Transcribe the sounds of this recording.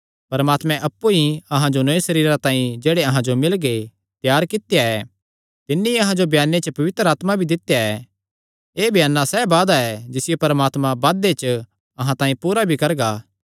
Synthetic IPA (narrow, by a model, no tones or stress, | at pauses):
pɐɾmaːt̪mɛ̃ʔɐpːuiɐɦãd͡ʒonoːĩsɐɾiːɾat̪ãːĩd͡ʒeːɽeɐɦãd͡ʒomɪlɡe | t̪jaːɾkɪt̪jaɛ | t̪ɪnːiɐɦãd͡ʒobʱjaːnːet͡ʃəpɐʋɪt̪ɾəaːt̪mabʱid̪ɪt̪jaɛ | eːbʱjaːnːasɛːbaːd̪aɛd͡ʒɪsɪjepɐɾmaːt̪mãbaːd̪et͡ʃə | ɐɦãt̪ãːĩpuːɾabʱikɐɾɡaː